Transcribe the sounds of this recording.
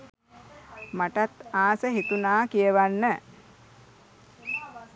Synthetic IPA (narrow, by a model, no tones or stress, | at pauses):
maʈat̪aːsəɦet̪unaːkijəʋanːə